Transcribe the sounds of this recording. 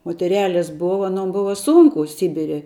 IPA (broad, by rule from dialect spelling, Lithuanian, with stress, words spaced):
moːtʲɛˈrʲæːlʲɛs ˈboːʋɐ ɐˈnoːm ˈbʊʋɐ ˈsuːŋkʊ ˈsʲɪbʲɪrʲɛ